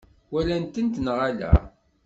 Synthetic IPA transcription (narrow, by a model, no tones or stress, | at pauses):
wælænt̪ənt̪nʁalæ̰